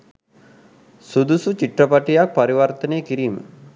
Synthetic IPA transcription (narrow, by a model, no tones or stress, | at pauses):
sud̪usut͡ɕiʈrəpaʈijak̚paɾiʋɐrt̪ənejəkiɾiːmə̰